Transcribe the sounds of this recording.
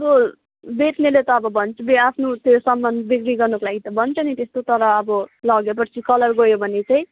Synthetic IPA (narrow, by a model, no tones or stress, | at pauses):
ʌbʌ | bet̪ʰnelet̪ʌːbʌbʱʌnt͡sbeapʰnot̪josʌmːʌnbikɾiɡʌrnukolaɡit̪ʌbʱʌnt͡sʰʌnit̪est̪ot̪ʌɾʌːbʌlʌɡepʌrt͡sʰikʌlʌrɡʌjobʱʌnet͡saĩ